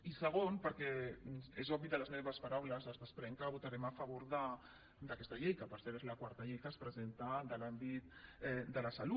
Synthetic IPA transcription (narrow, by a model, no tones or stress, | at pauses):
isəɣ̞onpəɾkɛezɔβiðələzmeβəspaɾawləzəzðəspɾɛŋkəβut̪aɾɛmafaβoɾðə | d̪əkɛst̪ɐʎejkəpəɾsɛɾezlakwaɾt̪ɐʎejk̪aspɾəzent̪ad̪əlambit̪ɛd̪əlasalu